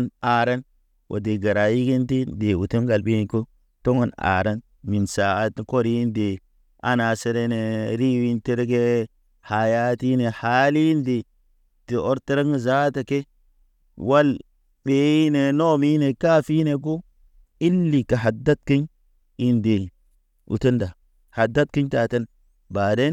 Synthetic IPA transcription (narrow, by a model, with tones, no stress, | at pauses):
na˨ɾa˦n | wʔo̰˨de˨ɡa˨ɾa˨ji˦ɡi˦nti˦nde˨wu˨te˦mɡa˨lɓe˦˨ko˦ | to˦ŋo˨na̰ː˨ɾa˦n | mi˨nsa˨a˦tko˦ɾi˦nde˨ | a̰˦na˨se˦ɾe˦ne˨ɾi˦wi˦nte˦ɾɡe˦ | ha˨ja˦ti˦ne˨ha˨˦li˦nde˨ | ti˨ʔo˦ɾte˦ɾa˦ŋ˦za˦ta˨ke˦ | wa˦l | ɓe˨˦i˦ne˨no˦mi˦ne˨ka˦fi˦ne˨k̬o˦ | i˦lːi˨ka˨ɦa˨da˦t̚ki˦ɲ | i˦nde˨ | ṵ˨to˦nda˨ | ha˨da˦t̚ki˦ɲta˨ta˦n | ba˨de˦n